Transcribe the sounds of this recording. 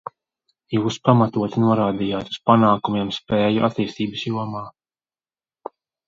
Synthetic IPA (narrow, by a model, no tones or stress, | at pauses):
juːspamat̪uɔt̪inuɔɾaːd̪ijaːt̪u̥spanaːkumiɛmspɛːjuʔa̰t̪ːiːst̪iːbəsjuɔmaː